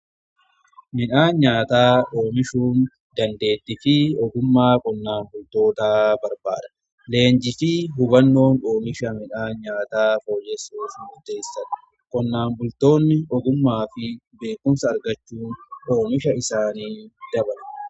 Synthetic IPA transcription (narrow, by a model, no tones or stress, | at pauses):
mɪᶑaːɲaːt̪aːʔoːmɪʃuːn | d̪ɐnd̪e̞ːt̪ːɪfɪɔɡʊmːaːkʼɔnːaːmbʊlt̪o̞ːt̪aːbɐɾba̰ːd̪ɐ̥ | le̞ːɲd͡ʒɪfɪɦʊbɐnːo̞ːnoːmɪʃɐmɪᶑaːɲaːt̪aːfo̞ːjɛsoːfmʊɾt̪e̞ːsːɐn | kɔnːaːmbʊlt̪o̞ːnːɪɔɡʊmːaːfɪ | be̞ːkːʊmsɐːɾɡɐt͡ʃːuːnʔo̞ːmɪʃɐɪsaːniːd̪̥ɐbɐlɐ